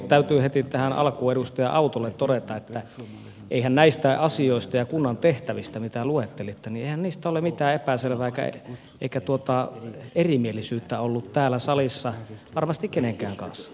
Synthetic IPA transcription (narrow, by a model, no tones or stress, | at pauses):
t̪æyt̪yːhet̪it̪æhænʔɑ̰lkuedust̪ɑjɑ̰ʔɑut̪olːet̪t̪oɾet̪ɑet̪ːæ | ʔḛihænnæist̪æɑsioˑist̪ɑjɑkunːɑnt̪eht̪æʋist̪æmit̪æluet̪ːelit̪ːænieˑihænniːst̪æolemit̪æːepæselʋæːeikæ̰ | ʔḛikæt̪uot̪ɑerimielisyːt̪ːæolːut̪t̪æːlːæsɑlisːɑʋɑrmɑst̪ikkeneŋkæːŋkɑ̰nsːɑ̥